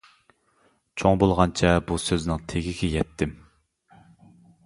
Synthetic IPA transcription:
t͡ʃʰoŋbolˠʁɑnt͡ʃʰɛbusøznɪŋt̪ʰeɡʲiɡʲɛjɛt̪ʰːɪm

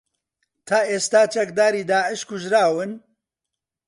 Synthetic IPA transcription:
t̪ʰaːʔeːst̪aːt͡ʃɐk̚d̪aːɾiːd̪aːʕɨʃkuʒɾaːwɨn

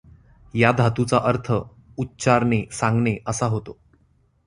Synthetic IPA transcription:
jad̪ʱat̪ut͡saʔəɾt̪ʰə | utːɕaɾnesãŋɡɳeʔəsaɦot̪o

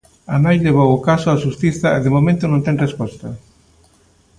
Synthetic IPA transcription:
anajleβ̞owʊkasʊaʃust̪iθɐeðemomẽnt̪ʊnõnt̪ɛ̃ŋrespɔst̪ɐ

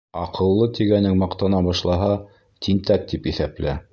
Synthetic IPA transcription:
ɑ̰qʰɤ̆lˠːɤt̪iɡænɘŋmɑqt̪ɑnɑbɑʃlˠɑɦɑ | t̪ʰint̪æk̚t̪ipiθæplæ

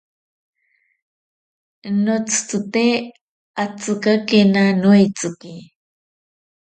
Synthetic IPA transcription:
not͡st͡s̪ut̪e | at͡sɨkakenanujt͡sɨki

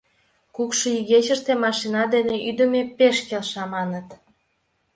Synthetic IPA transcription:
kukʃɤyɣet͡ɕəʃt̪emɑʃinɑd̪eneʔyd̪ə̆mepeʃkelʃɑmɑnət̪

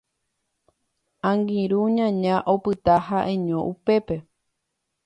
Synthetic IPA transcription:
ãŋɡĩɾuɲãɲãʔopɨt̪ahaʔẽɲõʔupe̞pe̞

